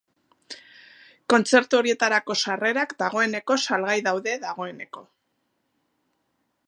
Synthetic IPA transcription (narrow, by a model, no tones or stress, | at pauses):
ko̞nt͡se̞ɾt̪uo̞ɾie̞t̪aɾako̞sare̞ɾakd̪aɣ̞o̞e̞ne̞ko̞salɣajðawðe̞ðaɣ̞o̞e̞ne̞ko̞